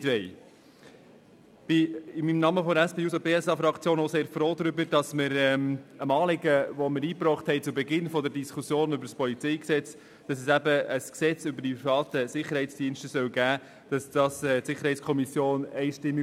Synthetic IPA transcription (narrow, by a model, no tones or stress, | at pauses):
tʋɛɪ | b̥ɪɪmimnɑməfɔdəɾæspeːuːsopeːɛsɑfɾɑkt͡sjoːnoʊseːɾfɾoːd̪ɾʏbəɾd̥ɑsməɾɛməmɑːlɪɡəvɔməɾiːpɾɔːχthɛɪt͡subɛɡɪnfɔdəɾdiskʰusjoːnʏbəɾspʰɔlit͡sɛɪksɛt͡s | d̥ɑsɛsæbəəsksɛt͡sʏbəɾdipɾifɑːt̪əsɪχəɾhɛɪt͡sd̥iənʃtəsœwɡæː | d̥ɑsd̥ɑsɛtsɪχːəɾhɛɪt͡skʰɔmisjoːnɛɪʃtɪmːi